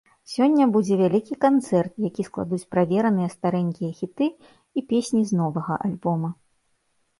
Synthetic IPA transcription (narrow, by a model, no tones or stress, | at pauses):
sʲɔnʲːɐbud͡zʲɛvʲalʲikʲikant̪sɛrt̪̚jakʲisklˠa̰d̪ut͡sʲpɾavʲɛɾɐnɨjɐst̪aɾɛnʲkʲijɐxʲit̪ɨ | ipʲesʲnʲiznɔvɐɣɐ̰ʔalʲbɔmɐ